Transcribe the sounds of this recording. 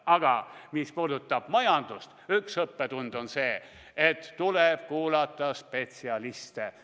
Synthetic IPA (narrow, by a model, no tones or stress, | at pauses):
ɑɡ̥ɑmispuːd̪ut̪ˑːɑb̥mɑjɑnd̪̥ust̪yksɤpːet̪und̪̥o̞nse̞ː | et̪ːuleb̥kuːlɑt̪ːˑɑspe̞t̪siɑlist̪e